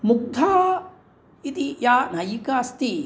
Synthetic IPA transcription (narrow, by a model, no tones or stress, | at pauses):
muk̚t̪ʰa | it̪ijanajikast̪i